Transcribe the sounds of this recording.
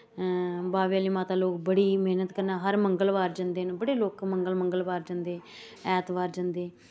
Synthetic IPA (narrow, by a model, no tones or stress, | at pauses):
baːʋjaːliːmaːt̪aːloːkbəɽiːmeːnət̪kəɾnaːɦəɾməŋɡəlʋaːɾd͡ʒãːnd̪eːnbəɽeːloːkməŋɡəlməŋɡəlʋaːɾd͡ʒãːnd̪eː | ɛːt̪ʋaːɾd͡ʒãːnd̪eː